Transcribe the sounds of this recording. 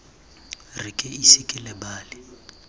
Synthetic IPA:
rɪkʼɪisɪkʼɪlɛbaːlɪ

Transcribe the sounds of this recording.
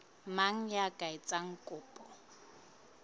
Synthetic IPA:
maŋ̩jakʼaɪt͡sʼaŋ̩kʼʊːpʼɔ

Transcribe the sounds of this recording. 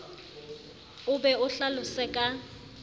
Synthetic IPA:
ʊbɛʊɬalʊsɛkʼa

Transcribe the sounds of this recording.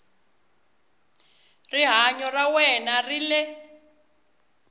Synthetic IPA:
riɦaɲɔrawɛnarilɛ

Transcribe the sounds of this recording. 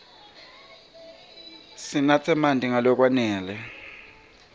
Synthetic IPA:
sinat͡sʰɛmandʱʼiŋalɔk̬ʼwanɛːlɛ

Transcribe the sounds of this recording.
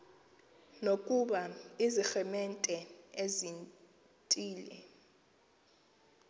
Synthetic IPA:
nokʼuɓaizixɛmɛntʼɛezin | tʼiːlɛ̰

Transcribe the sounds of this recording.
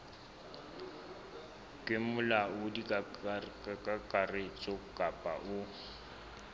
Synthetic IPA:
kʼɪmʊlaʊdik | kʼakʼaret͡ʃʼɔkʼapʼaʔʊ

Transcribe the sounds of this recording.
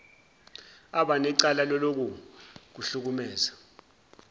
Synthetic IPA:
aɓanɛǀalalɔlok̬uk̬uɬuk̬umɛːza

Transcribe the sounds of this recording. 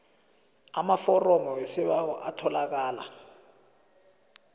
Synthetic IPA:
amafɔrɔmɔwɛsɛɓahɔʔatʰɔlak̬aːla̰

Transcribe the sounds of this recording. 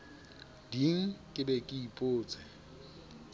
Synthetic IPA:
diŋ̩kʼɪbɛkʼɪipʼoːt͡sʼɛ

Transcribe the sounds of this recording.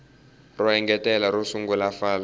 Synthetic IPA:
rɔɛŋɡɛtʼɛlaɾusuŋɡulafaːla

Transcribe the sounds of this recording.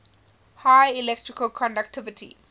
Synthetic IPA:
hajilɛk̚tɹɪkəlkʰɔ̃ndak̚tʰɪvɪtʰḭ

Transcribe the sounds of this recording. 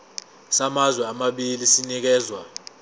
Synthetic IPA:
samazwɛamaɓilisinik̬ɛːzwa

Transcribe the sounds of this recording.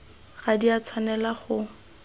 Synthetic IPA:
χadiat͡sʰwanɛlaχʊ

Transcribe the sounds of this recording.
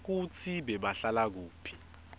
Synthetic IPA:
k̬ut͡sʰiɓɛɓaɬalak̬uːpʰi̥

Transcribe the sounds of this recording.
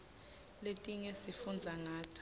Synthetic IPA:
letʼiŋesifund͡zʱaŋaːtʰ

